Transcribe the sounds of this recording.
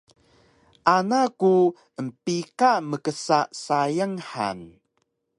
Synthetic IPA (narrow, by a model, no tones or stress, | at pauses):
ʔanaku | əmpikaməkəsaʔsajəŋħa̰n